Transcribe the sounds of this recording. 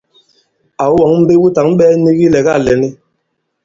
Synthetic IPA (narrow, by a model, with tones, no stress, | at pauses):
a˨u˦wɔ˨˦ŋ˦m̩˦be˦ɓu˦ta˨˦ŋ̩˦ɓɛ˦ni˦ɣi˦lɛ˨ɡa˦˨lɛ˨ni˦